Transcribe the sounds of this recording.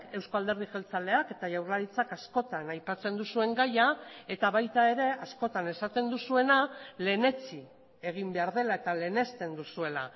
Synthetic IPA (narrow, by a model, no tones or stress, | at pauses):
ke̞wskoald̪e̞ɾð̞iʝelt͡sale̞ake̞t̪aʝawrlaɾit͡sakasko̞t̪anajpat͡se̞nd̪usue̞ŋɡajae̞t̪aβajt̪ae̞ɾe̞asko̞t̪ane̞sat̪e̞nd̪usue̞nale̞ne̞t͡si | e̞ɣ̞imbe̞aɾð̞e̞lae̞t̪ale̞ne̞st̪e̞nd̪usue̞la̰